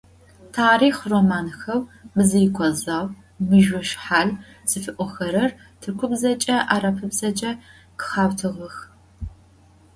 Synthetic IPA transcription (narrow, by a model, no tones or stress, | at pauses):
tʰaːɾiːχroːmaːnxɐwbɨzɨjɪkʷʰɔzaːw | mɨʒwɔʃħaːɮ | z̥ɨfɨʔʷʼɔxɐɾɐr | tʰɨrkʷʰʊbzɐt͡ʃʼɐʔaːɾɐpʰɨbzɐt͡ʃʼɐ | kʰɨ̥χaːwtʰɨʁɐx